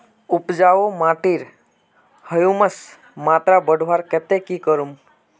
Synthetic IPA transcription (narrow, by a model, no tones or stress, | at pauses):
upd͡ʒaomãʈiɾ | həjuməs | mat̪ɾabəɖʱʋaɾkɛt̪ekikəɾum